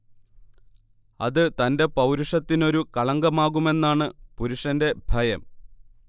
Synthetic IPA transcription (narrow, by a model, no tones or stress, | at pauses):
ɐ̰ðɨt̪ɐnde̞pɐwɾuʂɐt̪ːino̞ɾukɐɭɐŋɡɐmaːɣume̞nːaːɳɨpuɾuʂɐnde̞bʱɐjɐm